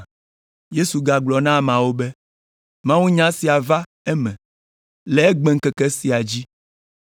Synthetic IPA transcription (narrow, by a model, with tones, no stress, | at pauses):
je˦su˨ɡa˨ɡ͡blɔ˨nã˦˨mã˨wo˦bɛ˦ | mã˦wũ˦ɲã˦si˨a˨va˦ | ɛ˦mɛ̃˨ | le˨˦ɛ˦ɡ͡bɛ̃˨ŋ̩˦kɛ˦kɛ˦si˨a˨d͡ʑi˦